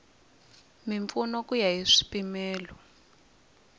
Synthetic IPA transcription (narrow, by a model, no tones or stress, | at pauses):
miɱfunɔkujaɦiʂi̥pimɛːlɔ